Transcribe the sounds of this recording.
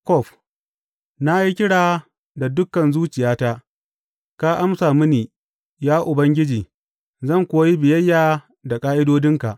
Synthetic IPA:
kɔ˦˨ɸ | na˦i˦kʲɪ˦ɽaː˨ | da˨dʊ˦kːɐ˨nzuː˦t͡ʃɪ˨jaː˦ta˦ʔ | ka˦ʔa˦msaː˨mɪ˦niː˨ | jaː˦ʔʊ˨bɐ˦ŋɡʲɪ˦d͡ʒiː˨ | zɐ˦˨ŋkʷoː˨˦a˦ji˦bɪ˨jɐ˦jːaː˨ | da˨kʼaː˦ʔɪ˦doː˦dɪ˦ŋka̰˨ʔ

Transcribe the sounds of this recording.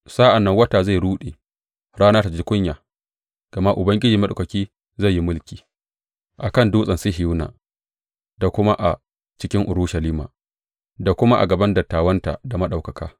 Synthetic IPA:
saː˦ʔa˨nːɐ˦ŋwɐ˦taː˨za˦˨jɾuː˦ɗḛː˨ | ɽaː˦naː˦ta˨d͡ʒi˦kʷʊ˦ɲjaː˨ | ɡ̥ɐ˨ma˦ʔʊ˨bɐ˦ŋɡʲɪ˦d͡ʒiː˨mɐ˦ɗo˨kɐ˨kʲiː˦ | za˦˨jːi˦mʊ˦lkʲiː˨ | ʔa˨kɐ˦nduː˦sʼɐ˨nsi˦ɦɪ˨ju˦na̰ː˨ | da˨kʷʊ˦ma˦ʔa˨ | t͡ʃɪ˦kʲɪ˦ŋʔʊ˨ɾuː˦ʃɐ˨liː˦ma̰ː˨ | da˨kʷʊ˦ma˦ʔa̰˨ɡɐ˨bɐ˦ndɐ˨tːaː˨wɐ˦nta̰˨da˨mɐ˦ɗa˨wkɐ˨kaː˦

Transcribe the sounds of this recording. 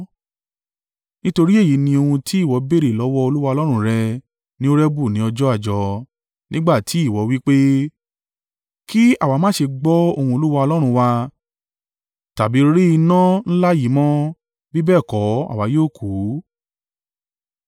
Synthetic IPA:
nĩ˦to˧ɾi˦e˦˨ji˨˦nĩ˧o˧hũ˧tʰi˨˦i˦˨wɔ˨˧be˦˨ɾe˨lɔ˨˦wɔ˧o˧lu˦wa˧ɔ˧lɔ˦ɾ̃ɾɛ˧ | nĩ˦o˦ɾɛ˦bu˦˨nĩ˨˦ɔ˧d͡ʒɔ˦a˦˨d͡ʒɔ˧ | nĩ˦ɡ͡ba˦˨tʰi˨˦i˦˨wɔ˨˧˦wi˦k͡pe˦ | ki˦a̰˦˨wa˨˧mãː˦ʃe˧ɡ͡bɔ˦o˧hũ˧o˧lu˦wa˧ɔ˧lɔ˦ɾ̃ũ˧wa˧ | ta˨bi˨˦ɾi˦i˧nã˦n̩˦la˦ji˨˦mɔ̃˦ | bi˦bɛː˦˨kɔ˨˦a̰˦˨wa˨˧˦joː˦˨kʰu˨˦

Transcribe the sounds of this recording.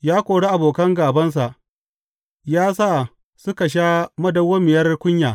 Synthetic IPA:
jaː˦kʷoː˨ɽe˦ʔa˨boː˨kɐ˦ŋɡaː˨bɐ˦ns̬a˨ʔ | jaː˦s̬a˦˨ | sʊ˦ka˨ʃ̬aː˦mɐ˦dɐ˦wo˦mɪ˨jɐ˦rkʷʊ˦ɲjaː˨

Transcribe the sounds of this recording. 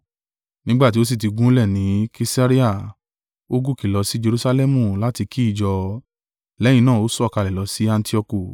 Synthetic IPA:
nĩ˦ɡ͡ba˦˨ti˨˦o˦s̬i˦˨t̬i˨˧ɡũ˦lɛ˦˨nĩ˨˦ki˧sa˦ɾi˦a˦˨ | o˦ɡu˦˨ki˨lɔ˨˧˦si˦d͡ʒe˧ɾu˧sa˧lɛ˦mũ˨la˦ti˧kʰi˦i˦˨d͡ʒɔ˧ | lɛ˨˦j̃ĩ˧nãː˦˨o˨˦sɔ˦˨ka˧˨lɛ˨lɔ˨˧˦si˦a˧n˦ti˦ɔ˧ku˦˨

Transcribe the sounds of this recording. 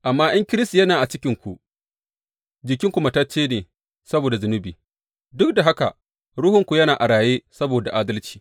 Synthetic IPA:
ʔa˨mːaː˦j̰ɐ˦ŋkʲɪ˦ɾɪ˦sti˨jɐ˦naː˨ʔa˨t͡ʃɪ˦kʲɪ˨ŋkʷu˨ʔ | d͡ʒɪ˨kʲɪ˦ŋkʷʊ˨ma˦tɐ˦t͡ʃːeː˦neː˨ | sɐ˦boː˨da˨zʊ˨nʊ˦biː˨ | dʊ˦k̚da˨ɦa˦ka̰˨ | ɽʊ˦hʊ˨ŋkʷu˨jɐ˦naː˨ʔa˨ɽaː˨jeː˦sɐ˦boː˨da˨ʔaː˦dɐ˦lt͡ʃi̥ː˨

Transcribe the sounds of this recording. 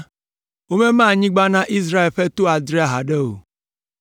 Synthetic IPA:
o˦me˦maː˦˨ɲɪ̃˦ɡ͡ba˦na˦ʔi˦zɾa˦˨e˨lfe˦to˦a˨dɾi˦a˨ɦa˨de˦o˨

